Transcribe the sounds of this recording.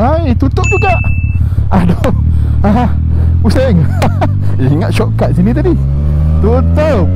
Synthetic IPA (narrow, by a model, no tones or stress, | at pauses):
at̪ut̪ʊʔ̚d͡ʒuɡaʔ | adɔa | useŋ | eiŋat̪̚ʃɔʔkaʔ̪̚sinĩt̪adi | t̪u | t̪o